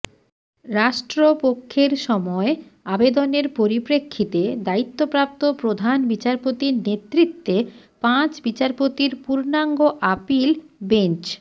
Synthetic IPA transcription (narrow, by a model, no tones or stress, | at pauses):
ɾaʃʈɾopokʰːeɾʃɔmɔeabed̪oneɾpoɾipɾekʰːit̪ed̪ait̪ːopɾap̚t̪opɾod̪ʱanbit͡ɕaɾpot̪iɾnet̪ːɾit̪ːe | pãt͡ɕbit͡ɕaɾpot̪iɾpuɾnaŋɡoʔapilbent͡ɕ